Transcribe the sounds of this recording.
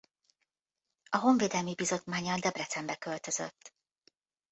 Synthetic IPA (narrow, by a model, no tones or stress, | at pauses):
ɒɦo̞ɱveːd̪ɛlmibizo̞t̪maːɲːɒld̪ɛbrɛt̪sɛmbɛkø̞lt̪ø̞zø̰t̪ː